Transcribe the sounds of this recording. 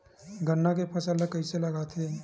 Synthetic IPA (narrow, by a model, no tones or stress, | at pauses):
ɡʱənːakepʰəsəlːəkəɪseləɡat̪ʰɦe